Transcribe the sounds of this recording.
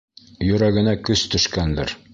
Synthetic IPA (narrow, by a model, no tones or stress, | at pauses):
jɵ̆ɾæɡɘ̆nækɵst̪ɵ̆ʃkænd̪ɘ̰ɾ